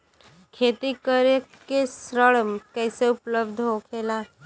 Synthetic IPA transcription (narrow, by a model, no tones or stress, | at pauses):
kʰeːt̪ikəɾe | kesɾəɭmkɛːseʊpləbd̪ʱɦokʰeːlaː